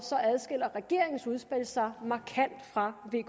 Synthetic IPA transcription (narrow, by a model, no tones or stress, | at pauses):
sɒ̽æð̞ˠsɡ̥el̰ɐʁɛɡ̥e̝̰ɐ̰e̝ŋn̩suð̞ˠsb̥el̰sɑ̈ɪmɑ̈kʰæn̰d̥fʁɑ̈ʋe̝